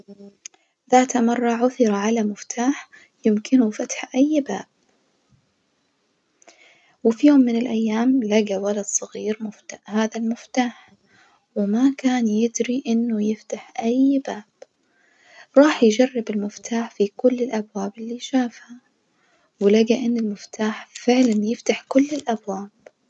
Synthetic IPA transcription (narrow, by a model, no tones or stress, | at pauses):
ðaːt̪amɑrˤːɑʕʊθɪɾˤɑʕalamɪft̪ʰaːħ | jɪmkʰɪnufat̪ħʔajːbaːb̥̚ | wɪfijoːmːɪnɪlʔajːaːmlaɡawalɑd̪sˤɑɣiːɾmʊft̪ahaːðalmɪft̪aːħ | wɪmakaːnjɪd̪ɾiʔɪnːʊjɪft̪aħʔajbaːb̥ | ɾˤɑːħjd͡ʒarˤːɪbɪlmɪft̪ʰaːħfikʊlːɪlʔabwaːbɪlːiʃaːfha | wɪlaɡaʔɪnːɪlmɪft̪ʰaːħfɪʕlanjɪft̪aħkʊlːɪlʔabwaːb̥